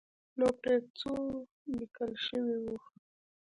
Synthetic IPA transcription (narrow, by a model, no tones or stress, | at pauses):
nopɾet͡su | bikəlʃəwiwux